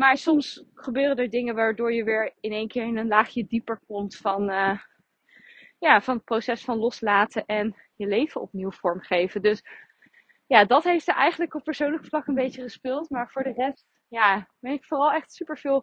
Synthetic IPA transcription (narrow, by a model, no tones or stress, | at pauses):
maːɹsɔmsχəbøːrədəɹdɪŋənʋaːɹdʊːɹjəʋɪːɹɪnejnkɪːɹɪnənlaːχjədipəɹkɔmtfɑnə | jaːvɑnət̚prosɛsfɑnlɔslaːtəʔɛn | jəlejvənɔ̰pniwv̥ɔɹmχejvədøs | jaːdɑtɦejftsəʔɛjχənləkɔp̚pːəɹsownləkflɑkənbejt͡ʃəχəspɪːlˠtmaːɹv̥ʊːɹdərɛst | jaːbɛnɪkfʊːrɑlˠɛχtsypəɹv̥ɪːlˠ